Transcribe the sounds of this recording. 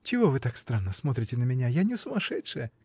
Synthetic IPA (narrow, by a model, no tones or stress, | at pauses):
t͡ɕɪvovɨt̪akst̪ɾanːəsmot̪ɾʲɪtʲɪnəmʲɪnʲajanʲɪsʊmaʂɛtʂɨjə